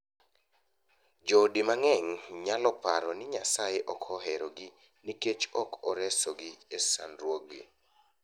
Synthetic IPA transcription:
d͡ʒɔdimaŋɛŋɲalɔpaɾɔnɪɲasajeʔɔkʰɔɦɛɾɔɡɪ | niket͡ʃɔkʰɔɾɛsɔɡɪesanɾwoɡḭ

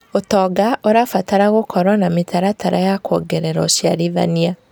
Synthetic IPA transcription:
otɔːɡaʔoɾafataɾaɣokɔɾwanametʰaɾataɾajakɔɡɛɾɛɾɔsjaɾiða̰nia

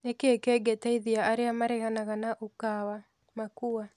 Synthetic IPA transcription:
nekeekeɡetaiðiaʔaɾeamaɾɛɣanaɣanaʔokawa | makuwa

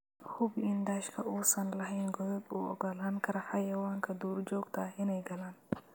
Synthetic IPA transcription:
hʊbɪnd̪aːʃkʰɐʔuːsɐnlɐɦɛjnɡɔðɔd̪ṵːɔ̰ɡɔlaːŋkʰɐɾɐħɑjɐwaːŋkʰɐd̪uːrd͡ʒɔːɡt̪ʰɐɪnɛjɡɐlaːn

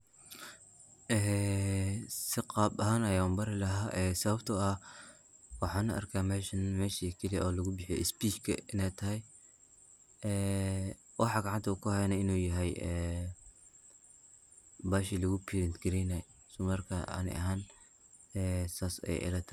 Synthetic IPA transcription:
ʔɛː | sɪqɑːbɐɦaːnɐjaːʊmbɐɾɪlɐɦaːʔɛːsɐβɐbt̪ʰɐɐ | wɑħɑːnɐʔɐ̰rkʰaːmɛːʃɐnmɛːʃikʰɐliʔɔːlɐɣʊbɪħjɛ̰ɪspiːt͡ʃkʰɐ̰ɪnɛjt̪ʰɐɦɛj | ɛː | wʔɑħɑɡɑʕant̪ʰɐukʰʊhɛjnaɪnuːjɐɦɛjɛː | baːʃilɐɣʊpʰiɾɪnt̪ɡɐɾɛna | sʊmɐrkʰɐɐ̰nɪ̰ʔɐ̰ɦaːn | ɛːsaːsɛ̰jʔɪ̰lɐt̪ʰɐ̥

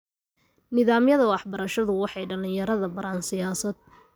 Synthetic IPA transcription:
nɪðaːmjɐðɐwɑħbɐɾɐʃɐðʊwɑħɑjɖɐlɪjɐɾɐðɐbɐɾaːnsɪjaːsɐd̪̚

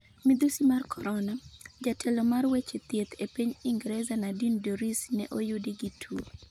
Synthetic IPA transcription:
mid̪usimarkʰɔɾɔnad͡ʒatʰɛlɔmarwet͡ʃet̪jet̪ʰepiɲiŋɡɾɛzanadindoɾisnɛʔojʊdiɡitʰu

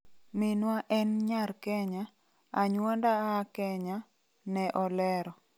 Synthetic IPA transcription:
mɪnwaʔɛnɲaɾkɛɲa | aɲwɔndaakɛɲa | nɛʔɔlɛɾɔ

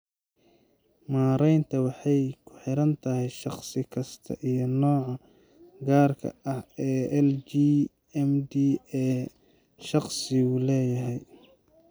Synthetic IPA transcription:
maːɾɛjnt̪ʰɐwɑħɑjkʰʊ̥ħɪɾɐnt̪ʰɐɦɛjʃɑχsɪkʰɐst̪ʰɐ̰ʔijɞnɔːʕɑ | ɡaːrkʰɐ̰ɐhɛːɛld͡ʒi | ɛmd̪iɛː | ʃɑχsɪuːlɛːjɐɦɛj

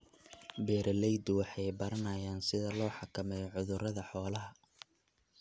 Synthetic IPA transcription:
bɛːɾɐlɛjd̪ʊwɑħɑjbɐɾɐnɐjaːnsɪðɐlɔːħɑkʰɐmɛjʕʊðʊɾɐðɐħɔːlɐɦɐ

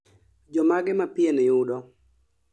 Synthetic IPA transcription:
d͡ʒɔmaɡɪmapɪenɪjʊdɔ

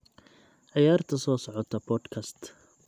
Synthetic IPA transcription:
ʕɑjaːrt̪ʰɐsɔːsɔʕɔt̪ʰɐbʰɔːd̪kʰɐst̪

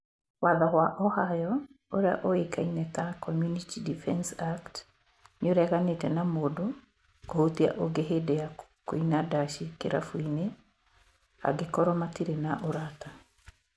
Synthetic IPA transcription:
waðaɦwaʔɔhajɔ | oɾea̰ʔoekainɛtakɔmjunitidifɛnsakt | noɾɛɣanetɛnamoːdo | kohotia̰ʔoɡeɦedɛa | ko̰inadaʃikeɾa̰fuine | a̰ɡekɔɾɔmatiɾenaʔoɾata

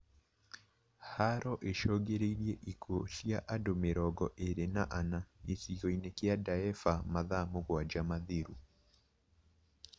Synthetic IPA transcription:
haɾɔʔeʃɔɡeɾeiɾijɛʔikosiaʔadomeɾɔɡɔʔeɾenaʔanaesijɔinekɛadaɛfamaðamoɣwad͡ʒamaðiɾu

